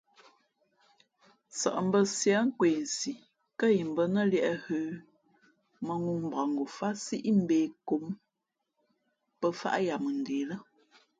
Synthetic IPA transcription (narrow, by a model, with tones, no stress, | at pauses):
sə̰˨ʔm̩˦bə˦sja˨˦ŋ̩˦kwe˨n̩˨si˨ | kə˦ji˨m˨bə˦nə˦ljɛ˦˨ʔhʉː˦ | mə˨ŋu˦m̩˨ba˨ŋ˨ɡo˨fa˦si˦ʔm̩˦be˨ko˨˦m | pə˦fa̰˦ʔja˨mə˨n̩˨de˨lə˦